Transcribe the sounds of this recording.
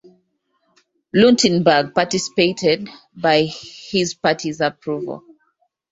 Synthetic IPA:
lĩntʰɛ̃nbəɡ̚patisi̥peɪtɛd̚ | baɪhizpatʰizəpʰɹuvə̰l

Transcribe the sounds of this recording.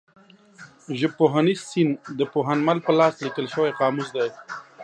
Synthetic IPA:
ʒəb̚pːoɦanizsind̪əpoɦanmalpəlɑslikəlʃəwajqɑːmusd̪aj

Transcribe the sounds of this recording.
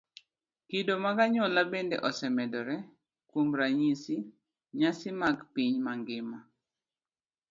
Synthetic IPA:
kidomaɡaɲɔlabendḛʔɔsɛmɛdɔɾɛ | kwomɾaɲisi | ɲasɪmaɡpiɲmaŋɡɪma

